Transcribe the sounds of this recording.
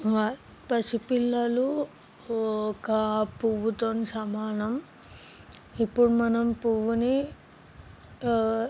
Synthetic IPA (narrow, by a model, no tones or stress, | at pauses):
ʋa | pɐsipilːɐlu | ɔkɐpuʋut̪onisɐmaːnɐm | ipːuɽumɐnɐmpuʋuni